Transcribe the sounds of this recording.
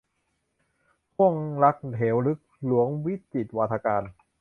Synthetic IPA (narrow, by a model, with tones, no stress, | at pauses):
pʰu˥˩əŋla˦˥k̚t̪ʰeː˩˦wlɯ˦˥k̚lu˩˦əŋwi˦˥t̪i˨˩t̪̚waː˧t̪ʰaː˧kaː˧n